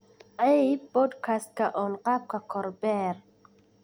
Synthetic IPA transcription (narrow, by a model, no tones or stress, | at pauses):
aipɔdkʰast̚kaʔɔnqap̚kakʰɔɾbɛɾ